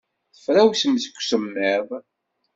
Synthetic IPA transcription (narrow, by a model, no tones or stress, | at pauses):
θə̥fɾæwsəmzə̥kʷːsəmːɪðˤ